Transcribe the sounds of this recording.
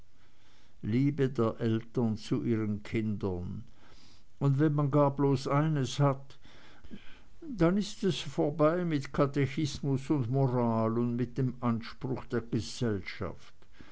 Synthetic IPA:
liːbədeːɐʔɛltɐnt͡suʔiːʁənkʰɪndɐn | ʊndvɛnmanɡaːɐbloːsaɪnəshat | d̥anɪstɛsfoːɐbaɪmɪtkʰateçɪsmʊsʊndmoʁaːlʊndmɪt̚d̥eːmanʃpʁ̥ʊxd̥eːɐɡ̥əz̥ɛlʃa̰ft

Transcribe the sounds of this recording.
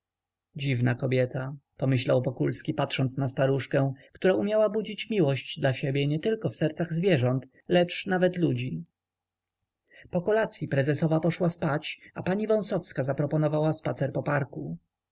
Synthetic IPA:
d͡ʑivnakɔbʲjɛt̪ʰapɔmɘɕlawvɔkulskʲipat̪ʂɔnt̪snast̪aɾuʂkɛ̃kt̪uɾaʔumʲjawabud͡ʑit͡ɕmʲiwɔɕd͡ʑd̪laɕɛbʲjɛɲɛt̪ɘlkɔfsɛɾt̪saɣzvʲjɛʐɔnt̪ | lɛt͡ʂnavɛt̪lud͡ʑi | pɔkɔlat̪sʲjipɾɛzɛsɔvapɔʂwaspat͡ɕapaɲivɔ̃w̃sɔfskazapɾɔpɔnɔvawaspat̪sɛɾpɔpaɾku

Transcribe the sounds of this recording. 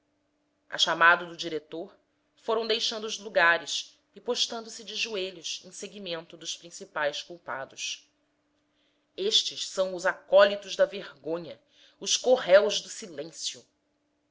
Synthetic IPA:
ɐ̰ʃamad̪ʊd̪ʊd͡ʒiɾet̪oɾ | foɾɐ̃w̃d̪ejʃɐ̃nd̪ʊːzluɡaɾɪʃ | ɪpoʃt̪ɐ̃nd̪ʊsɪd͡ʒɪʒueʎʊsḛ̃j̃seɡimẽnt̪ʊd̪ʊʃpɾĩsipajskuwpad̪ʊs | eʃt͡ʃɪʃsɐ̃w̃ʊzakɔlit̪ʊʒd̪ɐveɾɡõɲɐ | ʊskoɦɛwʒd̪ʊsilẽsjʊ

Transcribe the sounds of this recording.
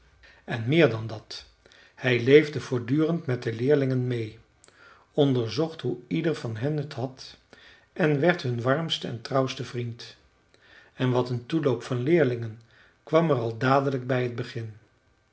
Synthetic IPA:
ɛnmɪːɹdɑndɑt | hɛjlejvdəv̥ʊːɹdyːrəntmɛt̚dəlɪːɹlɪŋənmej | ɔndəɹzɔχtɦuidəɹvɑnɦənətɦɑt | ʔɛnʋɛɹtɦɵnʋɑɹmstəɛ̰ntrʌwstəvrint | ɛnʋɑtəntulowpfɑnlɪːɹlɪŋən | kʋɑmərɑlˠdaːdələɡ̚bɛjɦəd̚bəχɪn

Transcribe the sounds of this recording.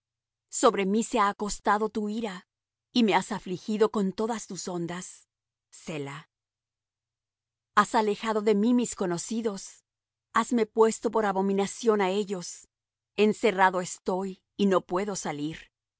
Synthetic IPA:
so̞βɾe̞miseaːko̞st̪aðo̞t̪uiɾa | ime̞asaflixiðo̞ko̞nt̪o̞ðast̪uso̞nd̪asː | e̞la | asale̞xaðo̞ðe̞mimisko̞no̞siðo̞s | azme̞pwe̞st̪o̞po̞ɾaβo̞mĩnasjo̞nae̞ʝo̞s | e̞nse̞raðo̞est̪o̞j | ino̞pwe̞ðosaliɾ

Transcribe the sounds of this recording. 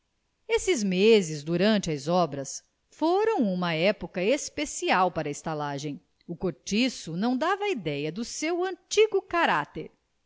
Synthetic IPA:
esɪzmezɪzd̪uɾɐ̃nt͡ʃɪɐzɔbɾɐs | foɾɐ̃w̃ũmɐɛpokɐespesiawpaɾɐɪst̪alaʒẽj̃ | ʊkoɾt͡ʃisʊnɐ̃w̃d̪avɐid̪ɛjɐd̪ʊsewɐ̃t͡ʃiɡʊkaɾat̪ḛɾ

